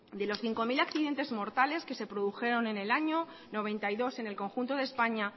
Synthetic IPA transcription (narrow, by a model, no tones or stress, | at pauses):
d̪e̞lo̞sθiŋko̞milakθiðe̞nt̪e̞zmo̞ɾt̪ale̞ske̞se̞pɾoðuxe̞ɾo̞ne̞ne̞laɲo̞ | no̞β̞ẽ̞nt̪ajðo̞se̞ne̞lko̞ŋxunt̪o̞ðe̞spaɲa